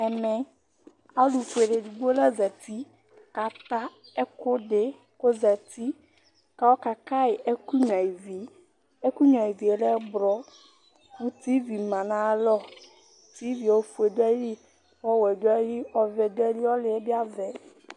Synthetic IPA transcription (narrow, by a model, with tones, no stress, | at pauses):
ɛ˨mɛ˨ | a˦lu˨fu˨e˨le˨du˨bo˦lɛ˦zɛ˨t̪i˦ | ka˨t̪a˦e˦kʊ˦ɖɪ˦ | ko˦zɛ˨t̪i˦ | ka˦wo˦ka˨ka˦ɪ˨ʔe˦ku˦ɲɔ̃˨i˨vi˨ | e˦ku˦ɲɔ̃˨i˨vi˨e˨lɛ˦bɾɔ˦ | wu˦t̪i˦vi˨mã˨nã˦lɔ˦ | t̪i˦vi˨wo˦fu˨e˨d̪o˦ɛ˦li˦ | wɔ˦wɛ˨d̪o˦ɛ˦li˦ɔ˦vɛ˨d̪o˦ɛ˦li˦wɔ˦lɪ˨e˦bi˦a˦vɛ˨